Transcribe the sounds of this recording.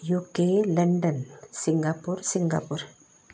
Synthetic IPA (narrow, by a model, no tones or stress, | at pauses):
juːkelɐɳɖɐnsiŋɡapuɾsiŋɡapuɾ